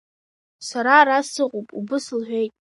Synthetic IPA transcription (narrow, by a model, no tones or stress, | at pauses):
saɾaɾasɨqʼopʼṵbɨslħʷᶣejtʼ